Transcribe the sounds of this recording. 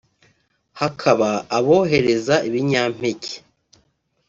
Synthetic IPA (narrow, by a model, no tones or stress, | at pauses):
hakʰaβaːβo̞ːɦe̞ɾe̞zaʔiβiɲaːm̥ece̥